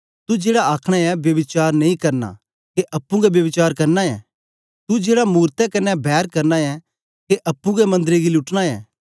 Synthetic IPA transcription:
t̪ud͡ʒeːɽaaːkʰɽ̃aɛbjɐʋɪt͡ʃaːɾnɐĩkɐɾna̰ | keʔɐpːũɡɛbjɐʋɪt͡ʃaːɾkɐɾnaɛ̰ː | t̪ud͡ʒeːɽamuːɾt̪ɛkɐnɛbʱɛːɾkɐɾnaɛ | keʔɐpːũɡɛmɐ̃nd̪ɾeɡilʊʈñaɛ̰ː

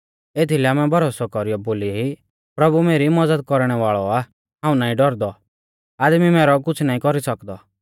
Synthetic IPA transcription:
eːt̪ʰilɛamɛbʱɐɾoːsɔkɔɾijɔboːlii | pɾɐbumeːɾimɐd͡zəd̪̚kɔɾɽ̃ɛʋaːɭɔa | ɦãːũnaːĩɖɔɾd̪ɔ | aːd̪mimɛːɾɔk̬ʊt͡sʰnaːĩkɔɾisɐkd̪ɔ

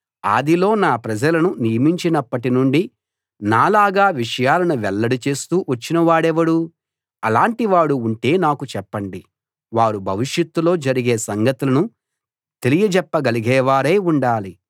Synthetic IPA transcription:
a̰ːd̪ilo̞ːnaːpɾɐd͡ʒɐlɐnunijɐmiɲt͡ʃinɐpːɐʈinuɳɖi | naːlaːɡaːʋiʂɐjaːlɐnuʋɛlːɐɽit͡ʃe̞ːst̪uːʋɐt͡ʃːinɐʋaːɽɛʋɐɽu | ɐlaːɳʈiʋaːɽuːɳʈe̞ːnaːkut͡ʃɛpːɐɳɖi | ʋaːɾubʱɐʋiʂjɐt̪ːulo̞ːd͡ʒɐɾiɡe̞ːsɐŋɡɐt̪ulɐnu | t̪e̞lijɐd͡ʒɛpːɐɡɐliɡɛːʋaːɾeːuɳɖaːli

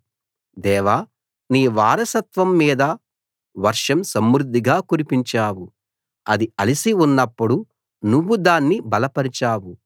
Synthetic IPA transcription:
d̪ɛːʋa | niːʋaːɾɐsɐt̪ʋɐmːiːd̪ɐ | ʋɐɾʂɐmsɐmːɾud̪ʱːiɡaːkuɾipiɲt͡ʃaːwu | ɐd̪iɐlisiunːɐpːuɽu | nuʋːud̪aːnːibɐlɐpɐɾit͡ʃaːwu

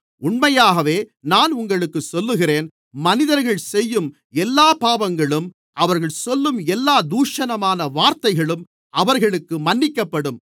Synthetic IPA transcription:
ʊɳmɐjaːɣɐʋeːnaːnʊŋɡɐɭɯkːɯsɔlːɯɣɪreːn | mɐnɪðɐɾɣɐɭsɛjːɯm | ɛlːaːpaːʋɐŋɡɐɭɯm | ʔɐʋɐɾɣɐɭsɔlːɯmɛlːaːd̪uːʂɐnɐmaːnɐʋaːɾt̪ɐɪɣɐɭɯm | ɐʋɐɾɣɐɭɯkːɯmɐnːɪkːɐpːɐɽɯm

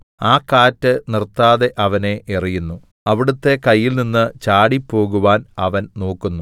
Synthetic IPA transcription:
aːkːaːtːɨnirt̪ːaːðe̞ʔɐʋɐne̞ʔerijunːu | ɐʋiɽut̪ːe̞kɐjːilninːɨt͡ɕaːɽipːo̞ːɣuʋaːnɐʋɐnno̞ːkːunːu

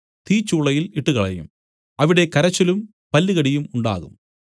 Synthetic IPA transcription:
t̪iːt͡ɕːuːɭɐjiliʈːuɣɐɭɐ̰jṵm | ɐʋiɽe̞kɐɾɐt͡ɕːɐlum | pɐlːiɣɐɽijumuɳɖa̰ːɣum

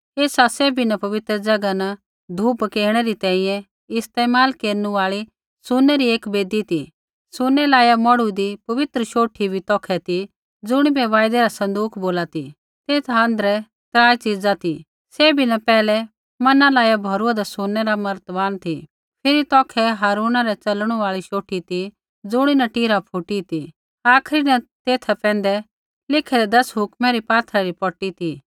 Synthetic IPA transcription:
eːsaseːbʱinɐpɐʋɪt̪ɾəd͡ʒɐɡana | d̪ʱuːpkeːɾɽ̃ɛɾit̪ɛ̃ːĩjɛ̃ | ɪst̪eːmaːlkeːɾnuaːɭi | sʊnːɛɾieːkbeːd̪it̪i | sʊnːɛlaːjamɔɽud̪ipɐʋɪt̪ɾəʃoːʈʰibʱit̪ɔːkʰɛt̪i | d͡zʊɽ̃ibɛʋaːɪd̪ɛɾasɐ̃nd̪uːkʰboːlat̪ḭ | t̪eːt̪ʰãnd̪ɾɛ | t̪ɾaːjt͡ʃid͡zat̪i | sebʱinɐpɛːlɛ | mɐnãlaːjabʱɐɾuad̪asʊnːɛɾamɐɾt̪baːnt̪ʰi | pʰɪɾit̪ɔːkʰɛɦaːɾuːnaɾɛt͡sɐlɽ̃ũʋaːɭiʃoːʈʰit̪i | d͡zʊɽ̃inɐʈiːɾapʰʊʈit̪i | aːkʰɾinɐt̪eːt̪ʰapɛ̃ːnd̪ɛ | lɪkʰɛɾɛd̪ɐsɦʊkmɛɾipaːt̪ʰɾaɾipɔʈit̪i

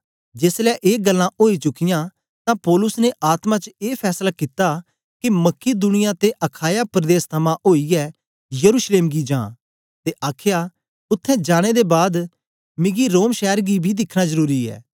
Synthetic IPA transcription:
d͡ʒeːslɛːʔeːɡəlːãʔoːit͡ʃʊkːɪjãː | t̪ãpɔːlʊsneʔaːt̪mãːt͡ʃeːpʰɛːslaːkit̪aː | kiməkːid̪ʊñɪjãt̪eʔəkʰaːjaːpɾəd̪eːst̪ʰəmãʔoːiɛː | jəɾuːʃleːmɡid͡ʒã̰ː | t̪eʔaːkʰjaː | ʊt̪ʰːɛ̃ːd͡ʒaːɽ̃eːd̪ebaːd̪ | mɪ̃ɡiɾoːmʃɛːəɾɡibʱid̪ɪkʰɽ̃azəɾuːɾiɛ̰ː

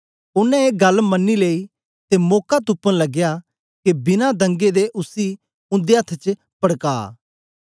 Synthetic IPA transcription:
ʊnɛ̃eːɡɐlmɐnːileːi | t̪emoːkat̪upːənlɐɡja | kebɪnad̪ə̃ŋɡed̪eʔʊsi | ʊ̃nd̪eɐt̪ʰt͡ʃ | pɐɽka̰ː

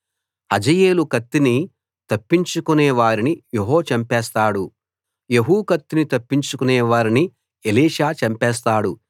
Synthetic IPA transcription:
hɐd͡ʒɐje̞ːlukɐt̪ːini | t̪ɐpːiɲt͡ʃukunɛːʋaːɾinijeɦoːt͡ʃɐmpɛːst̪aːɽu | jeɦuːkɐt̪ːinit̪ɐpːiɲt͡ʃukunɛːʋaːɾini | eliːʃaːt͡ʃɐmpɛːs̬t̪aːɽu

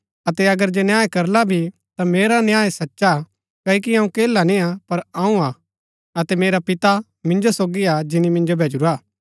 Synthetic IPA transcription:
ɐt̪ɛɐɡəɾd͡ʒenjaːekɐɾlabʱi | t̪ameːɾanjaːesɐtːʃa | kɐːik̬iɦãːũkeːlanĩapɐɾãũa | ɐt̪ɛmeːɾapɪt̪a | mɪ̃nd͡ʒosoːɡiad͡ʒɪnimɪ̃nd͡ʒobʱeːd͡ʒʊɾaː

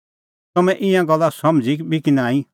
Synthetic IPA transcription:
t̪ɐmɛ̃ʔɪ̃jãɡɐlːasɐmd͡zikbikinãːĩ

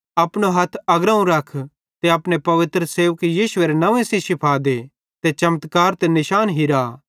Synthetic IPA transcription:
ɐpɽ̃oɦɐt̪ʰɐɡɾəːũɾɐkʰ | t̪eɐpɽ̃epɐʋɪt̪ɾəseːʋəkjiːʃʊeɾenɐʋẽsẽsɪpʰaːd̪e | t̪et͡ʃɐmət̪kaːɾt̪enɪʃaːnɦiɾa

